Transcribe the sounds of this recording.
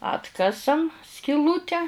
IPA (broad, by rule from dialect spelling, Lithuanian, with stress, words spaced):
ˈɑːtkɐsɐm sʲkʲɪˈlˠuːtʲɛ